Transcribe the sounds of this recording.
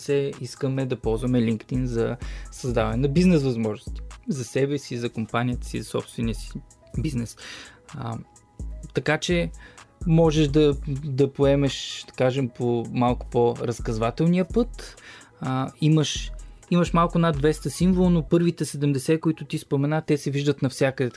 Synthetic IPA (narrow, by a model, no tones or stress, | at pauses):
sɛiskəmɛd̪ɐpɔlˠzvɐmɛliŋkt̪inzɐsɐzd̪avɐnɛnɐbiznɛsvɐzmɔʒnʊst̪i̥zɐsɛvɛsizɐkompanʲijət̪ə̥sizɐsɔpst̪vɛniəsi̥ | biznɛs | t̪ɐkat͡ʃɛ | mɔʒɛʃd̪ɐd̪ɐpoɛmɛʃd̪̥ɐ̥kaʒɛmpʰomalˠkʊ̥poɾɐskɐzvat̪ɛlˠniəpɤt̪ | iməʃiməʃmalˠkʊɛnad̪vɛst̪əsiɱvolˠnopɤɾvit̪ɛsɛd̪ɛmd̪ɛsɛkoit̪ʊt̪ispomɛnat̪ɛsɛviʒd̪ət̪nɐfsʲjakəd̪ɛ